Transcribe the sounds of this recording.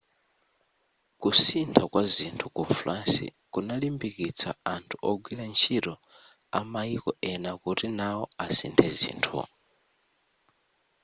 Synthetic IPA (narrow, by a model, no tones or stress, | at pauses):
kusintʰakwazintʰukunflansḭ | kunalimbikit͡sʰa̰antʰu̥ʔɔɡwiɾant͡ʃʰiɾɔ | a̰maikɔɛnakuɾinaɔasintʰɛzḭntʰṵ